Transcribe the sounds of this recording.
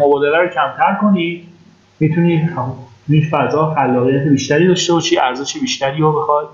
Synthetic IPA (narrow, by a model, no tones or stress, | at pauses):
mobɒːd̪elæɾocʰæmt̪ʰæɾko̞niːd̪̥ | mit̪ʰuni | jinfæzɒːfælːɒːɣijæt̪ʰe̞biːʃt̪æɾiːd̪ɒːʃt̪ebɒːʃiʔæɾzeʃebiːʃt̪æɾiːɾobexɒd̪